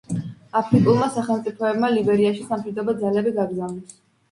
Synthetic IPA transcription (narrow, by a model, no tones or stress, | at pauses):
apʰɾikʼulˠmasaχɛlˠmt̪sʼipʰɔɛbmalibɛɾiaʃisamʃid̪ɔbad̪zalɛbiɡaɡɾzavnɛs